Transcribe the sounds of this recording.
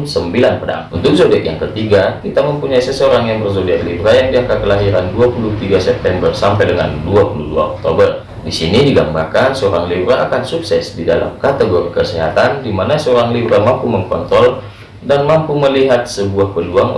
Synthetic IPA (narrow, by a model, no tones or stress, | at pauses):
səmbilanpəda̰ŋunt̪ʊk̚zodiakja̰ŋkət̪iɡakit̪aməmpuɲaisəsəoɾaŋjaŋbərzodiat̪̚libɾajaŋdiakakəlaɦiɾanduapulut̪iɡasɛp̚t̪ɛmbərsampajdəŋa̰nduapuludṵa̰ɔk̚t̪o̰bər | disinidiɡambarkansəoɾaŋlibɾaːkansuksɛsdida̰la̰mkat̪əɡoɾikəsiɦa̰t̪andimanasəoɾaŋlibɾamampuməŋkɔ̰nt̪ɾɔl | danmampuməliɦat̪̚səbuahpəluaŋ